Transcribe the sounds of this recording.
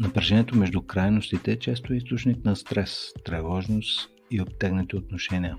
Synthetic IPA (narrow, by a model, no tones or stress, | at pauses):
nɐpɾɐʒɛniɛt̪omɛʒd̪ʊkɾajnost̪it̪ɛt͡ʃɛst̪oɛist̪ot͡ʃnik̪nɐst̪ɾɛst̪ɾɛvɔʒnos | iop̚t̪ɛɡnət̪iot̪noʃɛnʲiə